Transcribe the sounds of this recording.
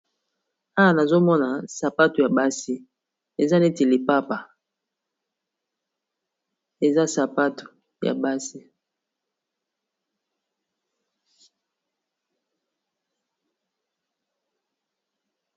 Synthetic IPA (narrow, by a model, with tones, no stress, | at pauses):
a˦a˨na˨zo˦mɔ˦na˨sa˨pa˦to˨ja˨ba˦si˦ | e˨za˦ne˦te˨li˨pa˦pa˨ | e˨za˦sa˨pa˦to̥˨ | ja̰˨ba˦si˦